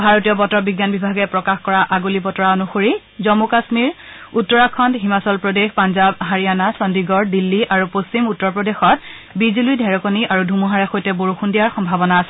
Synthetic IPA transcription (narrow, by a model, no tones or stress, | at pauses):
bʱaɹotijɔbɔtɔbiɡjanbibʱaɡɛpɹɔkaxkɔɹaʔaɡulipɔtɔɹaonuxoɹi | zɔmukasmiɹ | utːɔɹakʰɔntɦimasɔlpɹodexpanzabɦaɹijanasɔndiɡɔɹdilːiʔaɹupost͡ʃimutːɔɹpɹɔdexɔt̚ | bizilujdʱɛɹɔkoniʔaɹudʱumuɦaɹɛxojtɛboɹuxundijaɹxɔmbʱabɔnaːsɛ